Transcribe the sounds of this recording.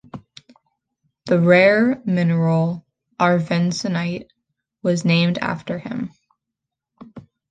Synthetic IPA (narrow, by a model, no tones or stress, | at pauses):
ðɨɹɛɹmɪnə˞l̩ˠ | ʔɑɹvɛ̃nsɨnaɪt̚ | wʌznẽɪ̃mdæ̰ftə˞ɪ̰̃m